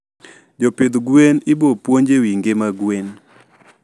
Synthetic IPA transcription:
d͡ʒopɪd̪ɡwenɪbopwoɲd͡ʒewiŋɡemaɡwen

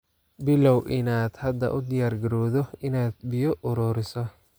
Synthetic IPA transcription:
bɪlɔwʔɪnaːd̪̥hɐd̪ɐ̰ʔʊd̪ɪjaːrɡɐɾɔːðɔɪnaːd̪̚bɪjɔʔɔɾɔːɾɪsɔ

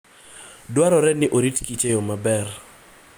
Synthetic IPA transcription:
dwaɾɔɾɛnɪʔoɾitkit͡ʃejomabɛr

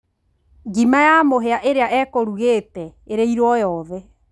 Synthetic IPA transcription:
ɡimajamoɦeaʔeɾeaʔɛkoɾuɣetɛeɾeiɾwɔjɔːðɛ

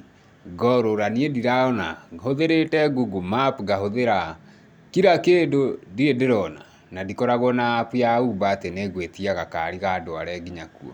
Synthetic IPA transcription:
ɡɔɾoɾaniediɾaɔnahoðeɾetɛɡuɡumapɡahoðeɾa | kiɾakeːdodiedeɾɔna | nadikɔɾaɣɔnapujaubaːteneɣwetiaɣakaɾiɣadoaɾɛɡiɲakuɔ̰

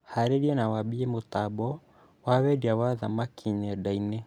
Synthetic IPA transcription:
haɾeɾiɛnawabiemot̪abɔ | wawɛdiawaðamakʰiɲɛdaine

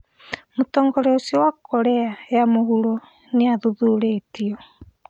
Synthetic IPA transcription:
motɔːŋɡɔɾeosiwakɔɾɛajamohuɾɔ | neaðuðuɾetiɔ

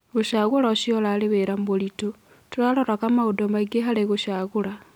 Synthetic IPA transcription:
ɣuʃaɣulaʃiolaliβeɾambolitu | tulaloɾakamaudomaɡeɦaleɣuʃaɣula

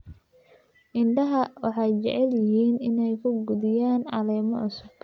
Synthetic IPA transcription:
ʔɪɳɖɐɦɐwɑħɑjt͡ʃɛ̰ʕɛljɪɦiːnɪnɛjkʰʊɡʊðɪjaːnʕɑ̰lɛːmɔʔʊsʊb̥̚

